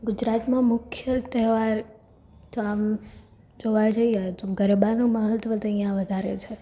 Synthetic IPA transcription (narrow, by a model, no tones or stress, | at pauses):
ɡʊd͡ʒɾat̪mãmʊkʰjət̪ɛɦʋaɾ | t̪oam | d͡ʒoʋajd͡ʒəiet̪oɡəɾebanũməɦət̪ʋət̪əijãʋəd̪ʱaɾet͡ʃʰe